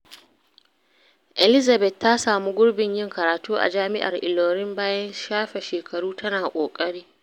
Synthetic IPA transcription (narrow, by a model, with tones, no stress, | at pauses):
ʔɛ˨lɪ˦za˨bɛ˨tːa˦saː˨mu˦ɡʷʊ˦ɽbɪ˨ɲjɪ˦ŋkɐ˨ɾaː˨tuː˦ʔa̰˨d͡ʒaː˦mɪ˦ʔa̰˨rʔɪ̰˨loː˨ɾɪ˦mbaː˦jɐ˦nʃaː˦ɸɛ˨ʃeː˨kʰɐ˨ɽuː˦tɐ˦naː˨kʷʼoː˨kʼɐ˦ɽiː˦